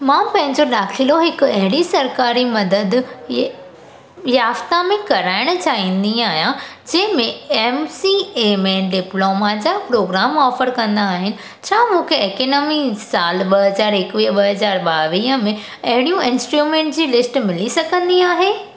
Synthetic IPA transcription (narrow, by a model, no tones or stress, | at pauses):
mãːpɐ̃ɦɪ̃ɲd͡ʑoɗaːkʰiloɦɪkʊɐɦɪɽisɐɾkaːɾimɐd̪əd̪ | jaːft̪amẽkɐɾaːɪɽ̃̆t͡ɕaːĩːnd̪iaːɦijãd͡ʑɐ̃ɦɪ̃mẽemsiemẽɖɪploːmad͡ʑapɾoːɡɾaːmɔːfəɾkɐ̃nd̪aːɦɪnɪ̆ | t͡ɕʰaːmũːkʰeekenɔːmisaːlɓɐɦɐzaːɾɪkʋiːɦəɓɐɦɐzaːɾɓaːʋiːɦəmẽ | ɐɦɪɽijũɪ̃nsʈɾuːmẽːɳʈd͡ʑiːlɪsʈmɪlisɐɡʱə̃nd̪iaːɦeː